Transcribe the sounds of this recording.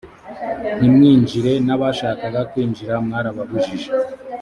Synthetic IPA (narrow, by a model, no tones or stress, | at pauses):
nimŋiːɲd͡ʒiɾe̞naβaʃaːkaβakwiːɲd͡ʒiɾamŋaɾaβaβuʒiʒe